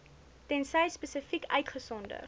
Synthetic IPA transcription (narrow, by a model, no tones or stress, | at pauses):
tɛnsɛjspəsəfikœɥtχəsɔndə̰